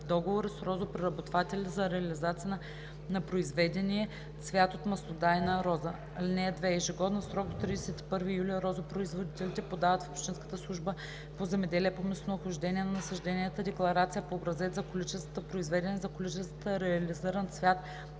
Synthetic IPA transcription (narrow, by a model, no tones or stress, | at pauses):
d̪ɔɡovoɾisɾɔzopɾɛɾɐbot̪vat̪ɛlʲizɐɾɛɐlizat̪sijə | nɐpɾoizvɛd̪ɛnʲiɛ | svʲjat̪ot̪mɐsnod̪ajnɐɾɔzə | linʲɛɛd̪vɛːʒiɡɔd̪nɐsɾɔkd̪ot̪ːɾid̪ɛsɛt̪i̥pɤɾvijuliɛɾɔzəpɾoizvod̪it̪ɛlit̪ɛpod̪avət̪fopʃt̪inskə̥t̪əslˠuʒbə | pozɛmɛd̪ɛliɛpomɛsnoxʊʒd̪ɛnʲiɛnɐnɐsɐʒd̪ɛniɛt̪əd̪ɛklˠɐɾat̪sijəpoːbɾɐzɛt̪zɐkolit͡ʃɛst̪vət̪əpɾoizvɛd̪ɛnɛzɐkolit͡ʃɛst̪vət̪əɾɛɐliziɾɐnsvʲat̪